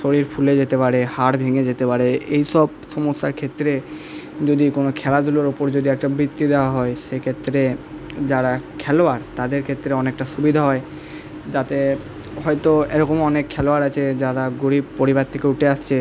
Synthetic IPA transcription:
ʃoɾiɾfʰuled͡ʑet̪epaɽehaɾbʱeŋed͡ʑet̪epaɾeejʃɔbʃɔmost̪aɾkʰet̪ːɾe | d͡ʑod̪ikonokʰɛlad̪ʱuloɾopoɾd͡ʑod̪iɛk̚ʈabɾit̪ːid̪eoaɦɔeʃekʰet̪ːɾe | d͡ʑaɾakʰɛloaɾt̪ad̪eɾkʰet̪ːɾeɔnek̚ʈaʃubid̪ʱaɦɔe | d͡ʑat̪e | ɦɔjt̪oḛɾɔkomɔnekʰːɛloaɾat͡ɕʰed͡ʑaɾaɡoɾibpoɾibaɾt̪ʰekeuʈeaʃt͡ɕʰe

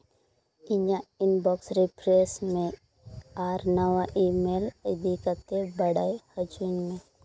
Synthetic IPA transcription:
ɪɲaɪnbɔksɾipʰɾesmẽ | aːɾnəwaʔimeːləd̪ikət̪ebəɽaːjhəd͡ʒuːnmẽ

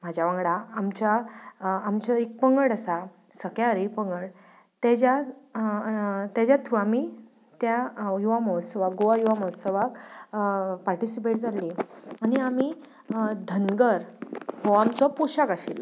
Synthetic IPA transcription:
m̤ad͡ʑʱaʋãŋɡɽaːmt͡ɕaː | mt͡ɕəek̚pəŋɡəɽəsa | səkjaɾipəŋɡəɽ | t̪ad͡ʑa | t̪jad͡ʑjat̪ʰuami | t̪jajuʋaməɦət̪səʋakɡoʋajuʋaməɦət̪səʋak | paɾʈisipeʈd͡zalianiami | d̪ʱənɡəɾhɔamt͡sɔpuɕakaɕil

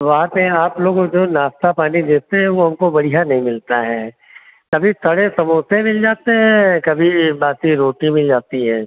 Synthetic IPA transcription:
ʋɐɦãt̪eaːploːɡd͡ʒoːnaːst̪apaːnid̪eːt̪eɦɛ̃ʋoɦɐmkobɐɽiɦanɐɦĩmɪlt̪aɦɛ | kɐbʱit̪ʰɐɽesɐmuːsemɪld͡ʒaːt̪eɦɛ̃kɐbʱibaːt̪iɾoːʈimɪld͡ʒaːt̪iɦɛ̃ː

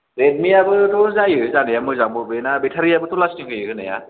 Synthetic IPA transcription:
ɾed̚miabɯt̪ɔzajɯzanɯjamɯjzaŋbɯbɯnabetʰaɾiabɯt̪ɔlasniŋkʰɯjɯkɯnaja̰

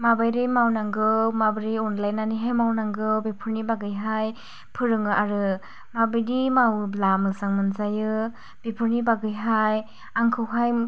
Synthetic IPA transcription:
mabajɾɯmawnaŋɡɯwmabɯɾiunlajnaniɦejmawnaŋɡɯwbepʰɯɾnibaɡɯjɦaj | pʰɯɾɯŋɯʔaɾɯ | mabɯjdimawblamɯsaŋmɯnzajɯ | b̥ipʰɯɾnibaɡɯjɦaj | aŋkʰɯwɦaj

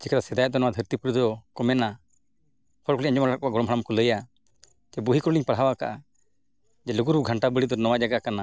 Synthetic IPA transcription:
d͡ʒɛkaɾasɛd̪ajɛt̪̚d̪ɔnɔwad̪ʱəɾt̪ipuɾud̪ʱɔkɔmɛna | pʰɔɾkɔliɲaɲd͡ʒɔmaɾak̚ɔbaɡɔɽɔmɦaɽamkɔləja | d͡ʒɛbuɦikɔɾuliɲpaɽɦawaka̰ʔa | d͡ʒɛluɡuɾbuɡʱəɳʈabəɽid̪ɔnɔwad͡ʒaɡakana

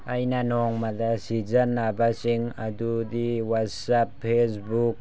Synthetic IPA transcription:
ajnanɔŋmadɐsizɐnːabasiŋɐ̰dudiwatsapʰːesbuk̚

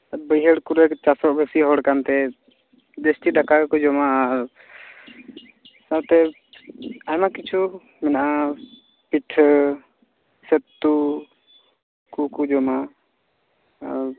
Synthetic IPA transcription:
bəjɦəɽkuɾɛkt͡ʃasɔʔbesiɦɔɽkant̪ɛ | d͡ʒesʈiɖakakɔd͡ʒɔmaɾ | sat̪ɛ | ajmakit͡ʃʰu | mɛnaʔa | piʈʰ | sɛt̪ːu | kukud͡ʒɔma

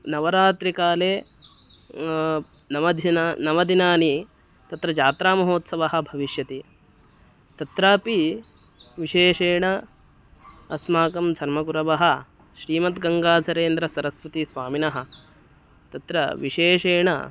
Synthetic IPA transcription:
nɐʋɐɾaːt̪ɾikaːleː | nɐʋɐd̪ʱinːnɐʋɐd̪ʱinaːni | t̪ɐt̪ɾɐd͡ʒaːt̪ɾaːmɐɦoːt̪sɐʋɐɦɐ̆bʱɐʋiʃjɐt̪i | t̪ɐt̪ɾaːpi | ʋiʃeːʂeːɳɐ | ɐsmaːkɐmd͡ʒʰʱɐɾmɐkuɾɐʋɐɦɐ̆ | ʃɾiːmɐt̪ɡɐŋɡaːsɐɾeːnd̪ɾɐsɐɾɐsʋɐt̪isʋaːminɐɦɐ̆ | t̪ɐt̪ɾɐʋiʃeːʃeːɳɐ̰

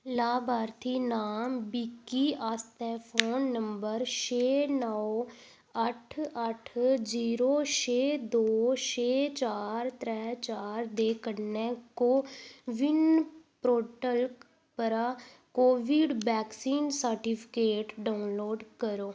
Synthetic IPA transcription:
laːbaːɾt̪ʰiːnaːmbiːkiːʔast̪ɛːpʰoːnːəmbəɾt͡ʃeːnə | əʈʰəʈʰd͡ʒiːɾoːt͡ʃʰeːd̪oːt͡ʃeːt͡ʃaːɾt̪ɾɛːt͡ʃaːɾd̪eːkənɛ̃ːkoːʋɪnpɾoːʈəlk | pəɾaː | koːʋiːɖbɛːksiːnsəɾʈipʰɪ̥keːʈɖaːʊnloːɖkəɾoː

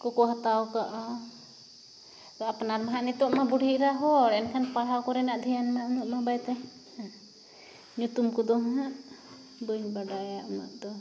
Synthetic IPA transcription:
kɔkɔɦat̪awkaʔɔ | t̪ɔapnaɾmaɦaʔnit̪ɔʔmabuɽʱiʔɾaɦɔɾɛnkʰanpaɽ̤awkɔɾɛnaʔd̪ʱijanmaʔnɔʔmabajt̪a | ɲut̪umkud̪ɔɦaʔ | bujɲbaɖajaʔɔna̰ʔd̪ɔ

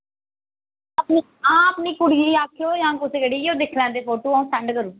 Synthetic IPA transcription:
əpni | ãːəpniːkʊɽiiːaːkʰːjoːjãːkʊseːkeɽiːoːd̪ekʰlɛ̃ːnd̪eːpʰoːʈoːaũːsɛ̃ɳɖkəɾũː

